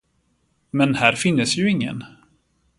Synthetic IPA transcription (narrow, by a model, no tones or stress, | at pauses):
mɛnhæːɾfɪnːəsjɵɪŋːə̰n